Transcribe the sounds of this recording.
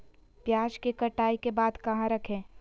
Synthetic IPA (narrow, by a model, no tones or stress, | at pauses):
pjaːd͡ʒkekɐʈaːikebaːd̪kɐɦãɾɐkʰẽː